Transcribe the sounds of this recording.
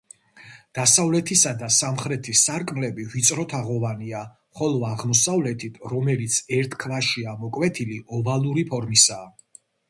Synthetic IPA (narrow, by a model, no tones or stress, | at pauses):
d̪̥asavlɛt̪ʰisad̪asamχɾɛt̪ʰisaɾkʼmlɛbivit̪sʼɾɔt̪ʰaʁɔvania | χɔlˠɔaʁmɔsavlɛt̪ʰit̪ʰɾɔmɛlit̪sʰɛɾt̪ʰkʰvaʃiamɔkʼwɛt̪ʰiliɔbalˠuɾipʰɔɾmisaː